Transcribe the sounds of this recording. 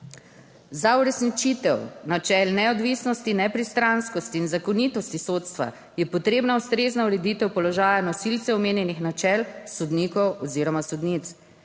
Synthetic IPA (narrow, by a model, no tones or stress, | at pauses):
zauɾɛsnit͡ʃit̪ɛwnat͡ʃɛlnɛɔd̪ʋiːsnɔst̪inɛpɾist̪ɾanskɔst̪iːnzakɔnit̪ɔst̪isot̪st̪ʋa̰ | jɛpɔt̪ɾeːbnaust̪ɾeːznauɾɛd̪iːt̪ɛwpɔlɔʒaːjanɔsilt̪sɛɔmeːnjɛnixnat͡ʃɛlsɔd̪niːkɔwɔziɾɔmasud̪nit̪s